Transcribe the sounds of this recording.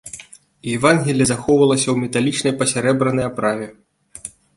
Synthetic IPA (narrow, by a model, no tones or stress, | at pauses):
jɛvanɣʲilʲjɐzaxɔwvɐlˠɐsʲɐwmʲɛt̪alʲit͡ʂnɐjpɐsʲaɾɛbɾɐnɐjapɾavʲɛ